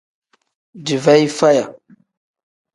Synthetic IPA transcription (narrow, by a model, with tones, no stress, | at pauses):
di˨va˦jfa˦ja˨